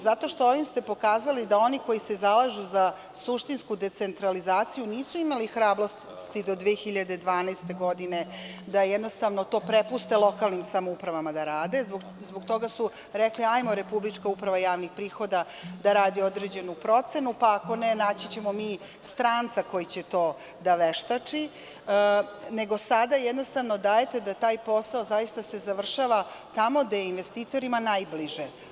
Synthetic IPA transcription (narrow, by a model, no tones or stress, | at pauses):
zat̪o̞ʃt̪o̞oʋimst̪e̞po̞kaːzalid̪ao̞niko̞jise̞zalˠaʒuza | suʃt̪inskud̪e̞t̪se̞nt̪ɾalizaːt̪sijuniːsuimalixɾaːblo̞s | t̪id̪o̞d̪ʋexiʎad̪ed̪ʋaːnast̪e̞ɡo̞d̪ine̞d̪ajɛd̪nost̪aʋnot̪o̞ːpɾepust̪elˠo̞kalˠnimsamoupɾaʋamad̪aɾaːd̪e̞zb | zboɡt̪o̞ɡasu | ɾekliajmoɾe̞publit͡ʂkaupɾaʋajaːʋnixpɾiːxo̞d̪a | d̪aɾaːd̪iod̪ɾed͡ʑe̞nupɾo̞t̪se̞nupaːko̞nenaːt͡ɕit͡ɕe̞mo̞miː | st̪ɾaːnt̪sako̞jit͡ɕet̪o̞ː | d̪aʋeʃt̪at͡ʂi | ne̞ɡo̞sad̪ajɛd̪no̞st̪aʋno̞d̪aːjet̪e̞d̪at̪aːjpo̞sao̞zajist̪ase̞zaʋr̩ʃaʋat̪amo̞d̪ajeinʋe̞st̪iːt̪o̞ɾimanajbliʒe